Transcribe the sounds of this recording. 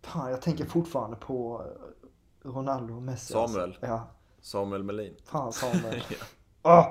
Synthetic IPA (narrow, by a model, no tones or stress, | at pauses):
faːnjɑːɡ̚t̪ʰɛŋkəɾfʊʈfɑːɾand̪əpʰɔ | ɾʊnald̪ʊmɛsːsɑːmɛljɑː | sɑːmɵɛlmɛliːnfaːnsɑːmɛ | ɔ